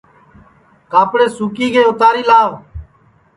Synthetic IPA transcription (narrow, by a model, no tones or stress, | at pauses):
kaːpɽeːsuːkiːkʰeːʊt̪aːɾiːlaːʋ